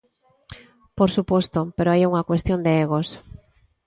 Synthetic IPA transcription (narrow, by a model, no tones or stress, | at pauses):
poɾsupost̪opeɾoajuŋakwest̪jond̪eeɣ̞os